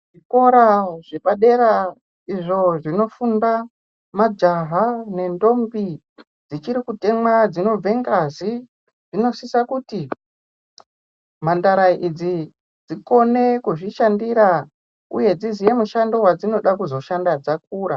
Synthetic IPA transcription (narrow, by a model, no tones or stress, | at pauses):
ʐiko̞ɾaʐ̥eɓaɗe̞ɾa | iʐo̞ʐino̞funda | mad͡ʒaɦane̞ndo̞mbi | d͡zit͡ʃiɾikute̞mwad͡zino̞b͡ve̞ŋɡazi | ʐino̞sisakuti | mandaɾaid͡zi | d͡ziko̞ne̞kuʐiʃandiɾa | ṵje̞d͡zizije̞muʃando̞wad͡zino̞ɗakuzo̞ʃandad͡zak̚uːɾa